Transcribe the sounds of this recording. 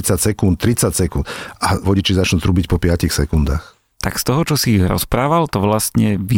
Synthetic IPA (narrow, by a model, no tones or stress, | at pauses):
t͡sacsɛkunt̪̚t̪ɾit͡sacsɛkunt̪aʋɔɟit͡ʃizat͡ʃnut̪ɾubicpɔpɪacixsɛkund̪aːx | t̪akst̪ɔɦɔt͡ʃɔsiːɣɾɔ̰spɾaːʋalt̪ɔʋlast̪ɲɛʋi